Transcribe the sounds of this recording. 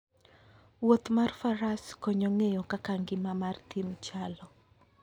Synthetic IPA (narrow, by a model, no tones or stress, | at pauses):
wot̪marfaɾaskoɲoŋejɔkakaŋɡɪmamart̪imt͡ʃalɔ